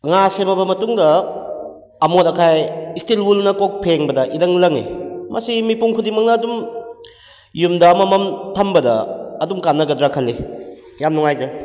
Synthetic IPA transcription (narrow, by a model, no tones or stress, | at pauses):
ŋaseβɐbɐmɐtuŋdɐː | motɐkʰajistilwulnɐkok̚pʰeŋbɐdɐʔidɐŋlɐŋḭmɐsimipuŋkʰudiŋmɐk̚nɐːdum | jumdɐmɐmɐmtʰɐmbɐdɐ̰ːdumkanːɐɡɐdɾakʰɐlːi | jamnuŋajzɐ